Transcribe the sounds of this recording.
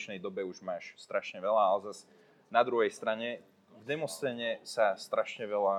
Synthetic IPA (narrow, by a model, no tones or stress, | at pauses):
ʃnɛjd̪ɔbɛuʒmaːʃst̪ɾaʃɲɛʋɛlaalɛzaz | nad̪ɾuɦɛjst̪ɾaɲɛ | vd̪ɛmɔst̪ɛɲɛsast̪ɾaʃɲɛʋɛla